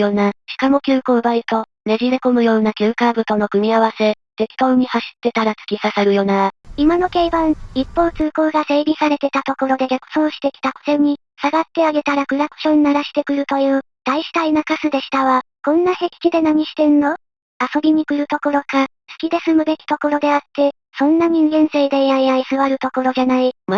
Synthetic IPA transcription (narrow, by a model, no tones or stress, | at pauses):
jo̞naɕi̥kamo̞kʲɨːko̞ːbait̪o̞ | me̞ʑiɾeko̞mɯ̟jo̞ːnakʲɨːkabɯ̟t̪o̞no̞kɯ̟mʲiaβ̞ase̞ | t̪e̞kʲi̥t̪o̞ːɲ̟ihaɕi̥t̪ːe̞t̪aɾat͡sɨ̥kʲisaseɾɯ̟jo̞naimano̞ke̞ibãɰipːo̞ːt͡sɨːko̞ːɡase̞ːɾʲisaɾe̞t̪e̞t̪at̪o̞ko̞ɾo̞d̪e̞ɡʲakɯ̟̥so̞ːɕi̥t̪e̞kʲi̥t̪ako̥t̪e̞ɲ̟i | saɡat̪ːe̞aɡe̞t̪aɾakɯ̟ɾakɯ̟̥ɕõ̞nnaɾaɕi̥t̪e̞kɯ̟ɾɯ̟t̪o̞jɯ̟ː | d̪̥aiɕi̥t̪ainakasɨd̪e̞ɕi̥t̪aβakõ̞nːahe̞kʲi̥kʲid̪e̞naɲ̟iɕi̥t̪e̞nːo̞ | aso̞bʲiɲ̟ikɯ̟ɾɯ̟t̪o̞ko̞ɾo̞ka | sɨ̥kʲid̪e̞sɨmɯ̟be̞kʲi̥t̪o̞ko̞ɾo̞d̪e̞at̪ːe̞ | sõ̞nːaɲ̟ĩŋɡẽ̞ɰ̃se̞id̪ẽ̞ɰ̃ãiaisɨβaɾɯ̟t̪o̞ko̞ɾo̞d͡ʑanaima